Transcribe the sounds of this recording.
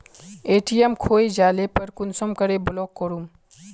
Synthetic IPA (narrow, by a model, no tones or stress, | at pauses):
eːʈiemkʰoːed͡ʒaːlepɐɾkʊnsəmkəɾebʊlɔːkːoɾum